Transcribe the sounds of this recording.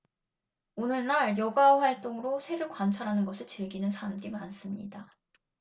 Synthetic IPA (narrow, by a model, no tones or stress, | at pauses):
onɯɭnaɾjʌɡaɸwaɭt͈oŋɯɾosʰe̞ɾɯɭkwant͡ɕʰaɾɦanɯnɡʌsʰɯɭt͡ɕiɭɡinɯnsʰaɾamdimans͈ɯmɲḭda